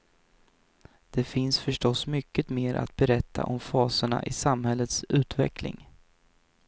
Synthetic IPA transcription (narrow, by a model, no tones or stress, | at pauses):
d̪̥ɛfɪnsfœʂʈɔsmʏkːət̪meːɾʔa̰t̪̚bɛɾɛt̪ʰːa̰ʔɔmfɑːsəɳa̰ʔɪsamhɛlːət̪sʉ̟ːt̪vɛ̰klɪ̰ŋ